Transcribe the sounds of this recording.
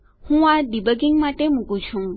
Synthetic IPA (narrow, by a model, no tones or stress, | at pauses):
hũaɖ̪ibəɡiŋɡmaʈemukũt͡ʃʰũ